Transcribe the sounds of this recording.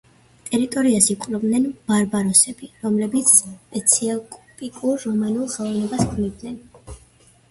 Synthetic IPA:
t̪ʼɛɾit̪ʼɔɾiasiqʼvlɛb̪nɛnb̥aɾbaɾɔsɛbiɾɔmlɛbit̪sʰpʼɛt̪sʰiakʼɔpʼikʼuɾːɔmanulˠχɛlˠɔvnɛbaskʰnivd̪nɛn

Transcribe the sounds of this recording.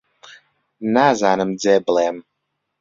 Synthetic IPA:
nazanəmd͡zɛblɛm

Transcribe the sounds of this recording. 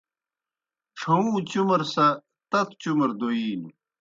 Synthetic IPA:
ʂʰɐũːt͡ɕumɐɾsɐ | t̪ɐt̪t͡ɕumɐɾd̪oiːnu

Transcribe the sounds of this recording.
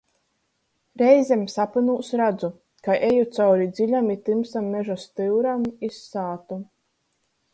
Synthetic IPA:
ɾɛjzʲemsapɨnuːsɾad̪zu | kaʔejut̪sawɾid̪zʲilʲamit̪ɨmsamːeʒast̪ɨwɾamisːaːt̪u

